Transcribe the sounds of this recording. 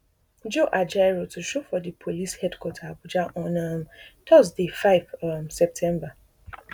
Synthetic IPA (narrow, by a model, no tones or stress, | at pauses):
d͡ʒoʔad͡ʒajɾotʰʊʃofɔdipʰolishɛdkʰwɔtʰabud͡ʒaʔɔ̃nãmtʰɔzdefaɪvmsɛp̚tʰɛ̃mba